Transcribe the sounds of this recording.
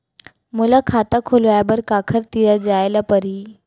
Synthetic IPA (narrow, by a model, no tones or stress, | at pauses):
mulakʰat̪əkʰolʋabəɾkakʰəɾt̪ijəd͡ʑajləpəɾiː